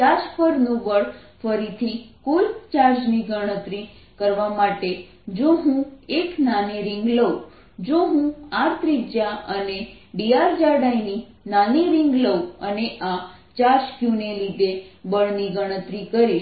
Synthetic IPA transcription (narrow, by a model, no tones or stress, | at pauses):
ad͡ʒpəɾnũʋəɭfəɾit̪ʰikult͡ʃaɾd͡ʒniɡəɽ̃ət̪ɾi | kəɾʋamaʈe | d͡ʒoɦũeknaniɾɪ̃ŋɡləu | d͡ʒoɦũaɾt̪ɾikd͡ʒjaəne | ɖiaɾd͡ʒaɖaini | naniɾɪŋɡləuəneʔa | t͡ʃaɾd͡ʒkjunelid̪ebəɭniɡəɽ̃ət̪ɾikəɾiʃ